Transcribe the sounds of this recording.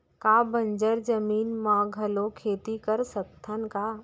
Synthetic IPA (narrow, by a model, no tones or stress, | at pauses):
kaːbə̃ɲd͡ʒəɾd͡ʒəmiːnmãːɡʱɐlokʰeːt̪ikɐɾsɐk̚t̪ʰənkaː